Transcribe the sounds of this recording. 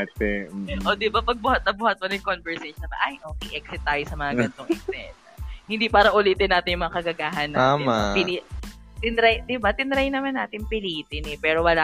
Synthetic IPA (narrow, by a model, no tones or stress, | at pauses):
t̪ɛʔoːd̪ɪbapɐɡ̚bʊhɐt̪̚ːɐbʊhɐt̪̚pɐnɐjkonbɛɹseʃnɐbɐ̰ʔajʔoːkɛʔɛksɪt̪ːaːjosɐmɐŋaɡɐnt̪oŋʔɛksɛ̰tɐhɪnd̪iːpaːɾɐʔʊliːt̪ɪnːaːt̪ɪnjʊmɐŋakɐɡɐɡaːɦɐnːaaːapɪli | t̪ɪnɾajd̪ɪbat̪ɪnɾajnɐmanːaːt̪ɪnpɪliːt̪ɪnɛpɛːɾo̞wɐlaː